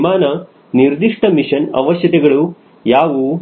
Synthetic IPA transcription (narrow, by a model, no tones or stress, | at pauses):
maːnɐ | niɾd̪iʂʈɐmiʂɐnɐ̰ʋɐʃjɐt̪ɛɡɐɭu | jaːʋu